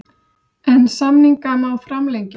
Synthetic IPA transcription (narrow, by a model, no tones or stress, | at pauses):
ɛnsamniŋkanawfɾamlejɲc